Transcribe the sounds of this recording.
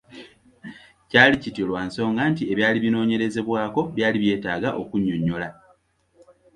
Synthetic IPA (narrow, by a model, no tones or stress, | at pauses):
caːlicitilwanso̞ːŋɡantie̞βjaːliβino̞ːɲe̞ɾe̞ze̞βwaːko̞βjaːliβje̞ːtaːɡaʔo̞̰kuɲːoɲːo̞la